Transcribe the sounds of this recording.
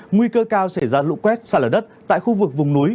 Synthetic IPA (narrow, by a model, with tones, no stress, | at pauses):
ŋwi˧kəː˧kaː˧wsa˧˩jzaː˧lṵ˧˥kwɛ˦˥t̚saː˧˩ləː˨˧˩ɗə˦˥t̚t̪a̰ː˧˨jxu˧vɨ˨˩k̚vʊ˨˩ŋ͡mnu˨˦j